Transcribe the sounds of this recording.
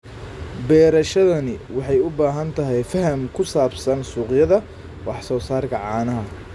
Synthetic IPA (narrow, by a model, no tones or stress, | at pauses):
bɛːɾɐʃɐðɐnɪwɑħɑjʊbaːɦɐnt̪ʰɐɦɛjfɐɦɐmkʰʊsaːbsɐnsuːqjɐðɐ | wɑħsɔːsaːrkʰɐʕɑːnɐɦɐ